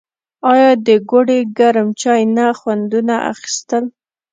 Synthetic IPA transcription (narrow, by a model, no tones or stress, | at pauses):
ɑjɑd̪əɡoɖeɡaɾmt͡ʃɑjnaxwand̪unaʔa̰xi̥st̪əl